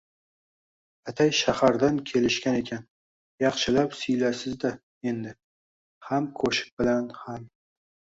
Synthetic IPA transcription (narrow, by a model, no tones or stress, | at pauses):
at̪ʰajʃahaɾd̪ankʲʰe̞lɪʃkʲane̞kʲʰan | jɑχʃɪlapsʊjlasɪzd̪a | e̞nd̪ɪ | hamkʰɵʃɪ̥k̚bɪlanham